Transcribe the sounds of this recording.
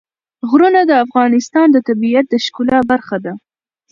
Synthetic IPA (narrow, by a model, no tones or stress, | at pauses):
ɣɾunad̪əafɣɑnɪst̪ɑnd̪ət̪abijat̪̚d̪əʃkulabaɾxad̪a